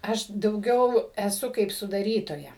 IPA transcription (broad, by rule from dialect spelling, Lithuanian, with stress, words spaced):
ˈɐʃ dɐʊˈɡʲɛʊ ɛˈsʊ kɐɪp sʊdɐˈrʲiːtoːjɛ